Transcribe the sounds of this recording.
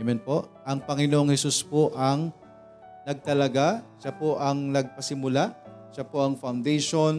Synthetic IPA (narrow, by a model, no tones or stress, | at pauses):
mɛnpo̞ʔʔɐŋpɐŋɪnoʔoŋhɛsuspoʔɐŋ | nɐɡ̚t̪ɐlɐɡaʃapoʔɐŋnɐɡ̚pɐsɪmʊlaʃapo̞ʔɐŋfɐwnd̪ɛjʃon